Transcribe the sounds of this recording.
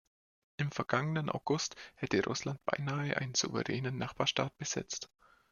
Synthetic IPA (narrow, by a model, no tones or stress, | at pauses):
ʔɪmfɛɐɡ̥aŋənənʔa̰ʊɡ̥ʊsthɛtəʁʊ̰slant̚b̥a̰ɪnaːəʔa̰ɪnənz̥ṵvə̰ʁɛːnənːaχb̥aːɐʃta̰ːt̚b̥əz̥ɛ̰t͡st